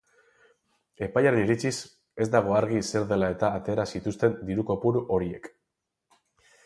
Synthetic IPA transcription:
e̞pajaɾe̞niɾit͡ʃis | e̞zd̪aɣ̞o̞aɾɣ̞ise̞ɾðe̞lae̞t̪aːt̪e̞ːɾasit̪ust̪e̞nd̪iɾuko̞puɾuʔo̞ɾie̞k

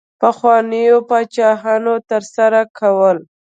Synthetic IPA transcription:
pəxwɑnijopɑt͡ʃɑhɑnot̪əɾsaɾakʰawəl

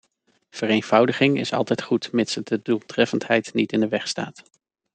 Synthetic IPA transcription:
v̥ərejnv̥ʌwdəχɪŋɪ̰sɑ̰lˠtɛjtχutmɪtsədədulˠtrɛfəntɦɛjtnitɪndəʋɛχsta̰ːt

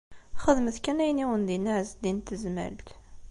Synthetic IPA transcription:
χəðməθkænæjəniwənd̪inːæʕzd̪int̪əzmæ̰lt̪

